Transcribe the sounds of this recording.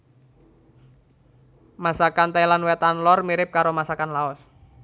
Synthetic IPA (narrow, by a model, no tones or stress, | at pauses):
masakant̪ailanwɛt̪anlɔrmiɾɪp̚kaɾomasakanlaɔs